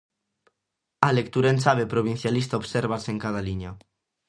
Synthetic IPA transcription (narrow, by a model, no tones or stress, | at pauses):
alek̚t̪uɾaensaβepɾoβ̞in̟θjalist̪aoβseɾβaseŋkað̞aliɲa